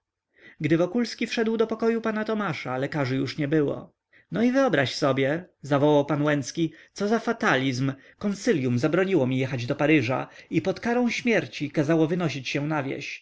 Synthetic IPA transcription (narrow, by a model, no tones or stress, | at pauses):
ɡd̪ɘvɔkulskʲifʂɛd̪wd̪ɔpɔkɔjupanat̪ɔmaʂalɛkaʐɘjuʂɲɛbɘwɔ̰ | nɔivɘɔbɾaɕsɔbʲjɛzavɔwawpanwɛnskʲit̪sɔzafat̪alʲizm | kɔnt̪sɘlʲjumzabɾɔɲiwɔmʲijɛxad͡ʑd̪ɔpaɾɘʐa̰ipɔt̪kaɾɔ̃w̃ɕmʲjɛɾt͡ɕikazawɔvɘnɔɕit͡ɕɕɛ̃navʲjɛ̰ɕ